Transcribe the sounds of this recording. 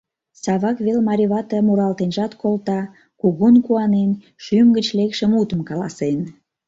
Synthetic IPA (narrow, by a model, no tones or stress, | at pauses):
sɑβɑkβelmɑɾʲiβɑt̪ɑmuɾɑlt̪enʒɑt̪kʰolt̪ɑ | kuɣunkuɑnen | ʃymɡət͡ɕlekʃəmut̪əmkɑlɑsen